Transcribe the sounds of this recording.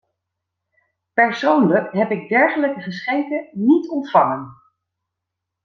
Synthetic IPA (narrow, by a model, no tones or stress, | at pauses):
pɛɹsownləkɦɛpɪɡ̚dɛɹχələkəχəsχeŋkənitɔntfɑŋən